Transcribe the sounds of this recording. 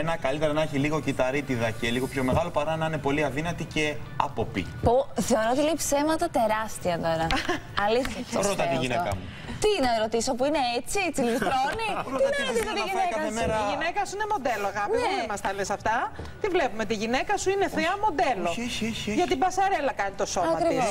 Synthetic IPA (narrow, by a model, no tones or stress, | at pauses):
enɐkɐlit̪eɾɐnɐeçiliɣo̞cit̪ɐɾit̪iðɐceliɣo̞pço̞me̞ɣɐlo̞pɐɾɐnɐine̞po̞liɐðinɐt̪ice̞ɐ̰po̞pḭpuθe̞o̞ɾoot̪ileipse̞mɐt̪ɐt̪e̞ɾɐst̪iɐnoɾɐɐlisɐɾot̪ɐt̪iʝinekɐmu | t̪inɐɾo̞t̪isopuine̞et͡sit͡silift̪ɾoniist̪iinekɐkɐiʝinekɐsuinemo̞d̪eloɣɐnieemɐst̪ɐlesɐft̪ɐ | t̪ivle̞pumet̪iʝinekɐsuineθeɐmo̞d̪e̞lo̞ʝɐt̪ibɐsɐɾe̞lɐkɐnit̪o̞soɐmɐkɾiivo